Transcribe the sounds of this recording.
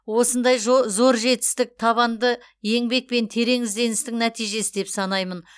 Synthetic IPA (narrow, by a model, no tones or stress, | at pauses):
wo̞sənd̪ɑjʒozo̞ɾʒe̞t̪ɪ̥st̪ɪk̚t̪ʰɑβɑnd̪ə | je̞ŋbe̞k̚pe̞nt̪ʰe̞ɾe̞ŋɪzd̪e̞nɪst̪ɪŋnæt̪ijʒe̞sɪd̪e̞psɑnɑjmən